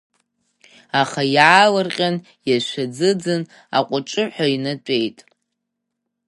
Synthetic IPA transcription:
aχajaːlɨrqʲʼan | jaʃʷad͡zɨd͡zɨn | a̰qʷʼʊʈ͡ʂʼɨħʷᶣainat͡ʃʷʼejtʼ

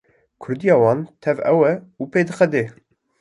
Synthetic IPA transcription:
kʰʊɾd̪ijɑːwɑːnt̪ʰɛvɛwɛuːpeːd̪ɨxɛd̪eː

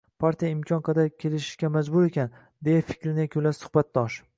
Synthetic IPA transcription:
pʰaɾt̪ʰijaɪmkʲʰɒnqʰɑd̪aɾkʲʰe̞lɪʃɪ̥ʃkʲamad͡ʒbʊɾe̞kʲʰan | d̪e̞jafɪ̥kʲɾɪnɪkʲʰolasʊ̥χbat̪̚d̪ɒʃ

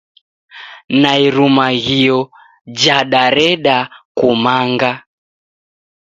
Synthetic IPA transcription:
naiɾumaɣiɔ | d͡ʒaɗaɾɛɗakumaŋɡa

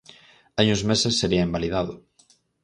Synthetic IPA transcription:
aɲũzmesesːeɾiɐembaliðaðʊ

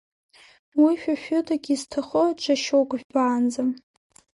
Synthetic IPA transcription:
wiʃᶣaʃᶣʊdaɡʲiztʰaχot͡ʃʰʷaʃowkʷʼʒᶣbaːnd͡zam

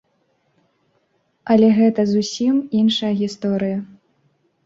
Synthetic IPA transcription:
ɐlʲɛɣɛt̪ɐzusʲiminʂɐjɐɣʲist̪ɔɾɨjɐ

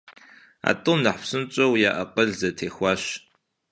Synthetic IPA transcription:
a̰ːtʼɨwnɐħpsɨnt͡ʃʼɐwjaːʔɐqʼəɮzɐtʰeːxʷɑːɕ

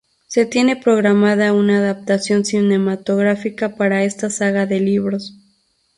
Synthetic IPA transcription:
se̞t̪je̞ne̞pɾo̞ɣɾamaðaunaːðap̚t̪asjo̞nsine̞mat̪o̞ɣɾafikapaɾae̞st̪asaɣaðe̞liβɾo̞s

